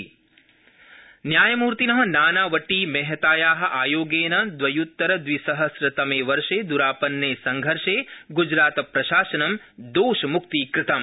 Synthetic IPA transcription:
njaːjɐmuːɾt̪inɐɦɐ̆naːnaːʋɐʈːiːmɛːɦɐt̪aːjaːɦɐ̆ʔaːjoːɡeːnɐd̪ʋɐjut̪ːɐɾɐd̪ʋisɐɦɐsɾɐt̪ɐmeːʋɐɾʂeːd̪uɾaːpɐnːeːsɐŋɡʱɐɾʂeːɡud͡ʒɾaːt̪ɐpɾɐʃaːsɐnɐm | d̪oːʃɐmuk̚t̪iːkɾɪt̪ɐm

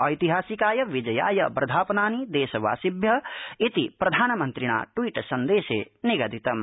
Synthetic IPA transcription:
ɐjt̪iɦaːsikaːjɐʋid͡ʒɐja̰ːjɐbɾɐd̪ʱaːpɐnaːnid̪eːsɐʋa̰ːsibjɐit̪ipɾɐd̪ʱaːnɐmɐnt̪ɾiɽ̃a̰ːʈwiʈsɐnd̪eːsḛniɡɐd̪it̪ɐm

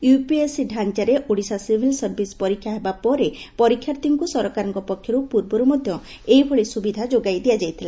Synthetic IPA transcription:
jupiesiɖʱant͡ʃaɾeʔoɽisasibʱilsɔɾbʱispɔɾikʰːjaɦebapɔɾepɔɾikʰːjaɾt̪iŋkusɔɾɔkaɾɔŋkɔpɔkʰjɔɾupuɾbɔɾumɔd̪ʱjɔ | ejbʱɔɭisubid̪ʱad͡ʒoɡajd̪ijad͡ʒajt̪ʰila

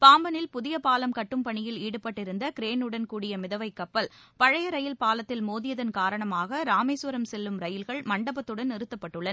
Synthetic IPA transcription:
paːmbɐnɪlpʊðɪjɐpaːlɐmkɐʈːɯmpɐɳɪjɪliːɽɯpːɐʈːɪɾɯnd̪ɐkɪɾeːnɯɽɐnkuːɽɪjɐmɪðɐʋɐɪkːɐpːɐlpɐɻɐjɐɾɐjɪlpaːlɐt̪ːɪlmoːðɪjɐðɐnkaːɾɐɳɐmaːɣɐɾaːmeːsʊɾɐmsɛlːɯmɾɐjɪlɣɐɭmɐɳɖɐbɐt̪ːɯɽɐnɪɾɯt̪ːɐpːɐʈːɯɭːɐn

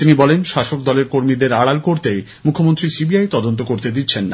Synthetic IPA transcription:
t̪inibɔlenʃaʃok̚d̪ɔleɾkoɾmid̪eɾaɽalkoɾt̪ej | mukʰːomont̪ɾisibiajt̪ɔd̪ont̪okoɾt̪ed̪it̪ːɕʰenːa̰

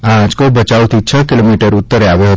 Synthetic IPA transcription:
ãd͡ʒkobət͡ʃawt̪ʰit͡ʃʰəkɪlomiʈəɾʊt̪ːəɾeaʋeɦə

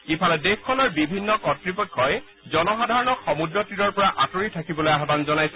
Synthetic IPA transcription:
ipʰalɛdexkʰːɔlɔɹbibʱinːɔkɔtɹipɔkkʰːɔj | zɔnɔxadʱaɹɔnɔkxɔmudɹɔtiɾɔɹpɔɹaʔatoɹitʰakibɔlojaɦbanzɔnajsɛ

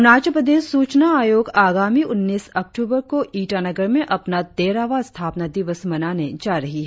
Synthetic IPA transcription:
naːt͡ʃəpɾəd̪eːʃːuːt͡ʃnaaːjoːɡaːɡaːmiʊnːiːsɐk̚ʈuːbəɾkoʔiːʈanɐɡəɾmẽʔɐpnad̪eːɾaːʋast̪ʰaːpnad̪ɪʋəsmɐnaːned͡ʒaːɾɐɦiɦɛ

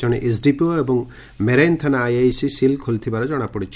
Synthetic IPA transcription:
ɔɽ̃iʔesɖipioebɔŋ | meɾajnt̪ʰanaːjajsisilkʰolt̪ʰibaɾɔd͡ʒɔɽ̃apɔɽit͡ʃʰ

